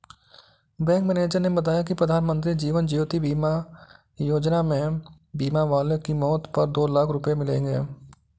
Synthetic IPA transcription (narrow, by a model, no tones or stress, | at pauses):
bɛ̃ːk̚mɛneːd͡ʒəɾnebɐt̪aːjak̬ipɾəd̪ʱaːnmə̃nt̪ɾid͡ʒiːʋənd͡ʒiːt̪ibiːma | joːd͡ʒnamẽ | biːmaʋaːlekimɔːt̪pɐɾd̪oːlaːkʰɾʊpemɪlḛ̃ːŋɡḛː